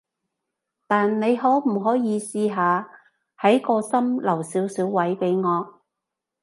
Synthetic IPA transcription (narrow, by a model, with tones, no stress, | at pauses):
t̪aː˨nne˨˧jɦɔː˨˥m̩˨˩ɦɔː˨˥jiː˨˧siː˧ɦaː˨˧ | hɐ˨˥jkɔː˧sɐ˥mlɐ˨˩wsiː˨˥wsiː˨˥wːɐ˨˥jpe˨˥jŋɔː˨˧